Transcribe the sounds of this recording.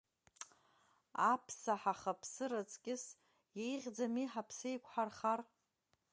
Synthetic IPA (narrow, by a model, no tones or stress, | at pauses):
apʰsaħaχapʰsɨɾɨt͡sʼkʲʼɪs | jejʁʲd͡zamiħapʰsejkʷʰʼħarχar